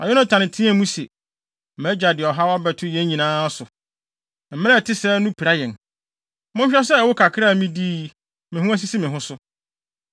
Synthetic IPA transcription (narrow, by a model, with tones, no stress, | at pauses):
a̰˨jɔ˦nã˦tʰã˨nɪ̃˨tʰĩ˦ɛ˦˨mũ˦se˨ | mɛ˦d͡ʑa˨dɪ˨ɔ˨ɦa˦wa˦bɛ˨tʰʊ˦jɛ̃˦ɲĩ˨nãː˦sʊ˨ | m̩˨mɪ̃˦ɛ˦˨tʰɪ˦sɛː˦nʊ̃˦pʰi˨ɾa˦jɛ̃˨n | mʊ̃˦ɲ˦ɕᶣɛ˦sɛ˦˨wʊ˦kʰa˨kʰɪ˦ɾa˦˨mĩ˦diː˦ | mɪ̃˨ɦʊ̃˦æ˦s̬i˦si˦mɪ̃˨ɦʊ̃˦sʊ˦